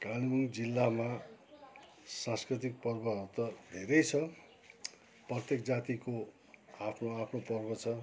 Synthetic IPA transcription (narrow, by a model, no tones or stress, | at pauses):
kalimuŋd͡zilːama | sãnskrit̪ik̚pʌrbʌʌɾut̪ʌd̪ʱeɾʌjt͡sʰʌ | prʌt̪jekd͡zat̪iko | apʰnoapʰnopʌrbʌt͡sʰʌ